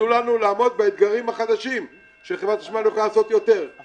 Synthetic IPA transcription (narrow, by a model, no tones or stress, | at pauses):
ulanulaːmo̞d̪̚beed̪ɡaʁimhaχad̪aʃim | ʃeχevʁat̪aʃmanjoχalaːso̞t̪jo̞t̪e̞ʁ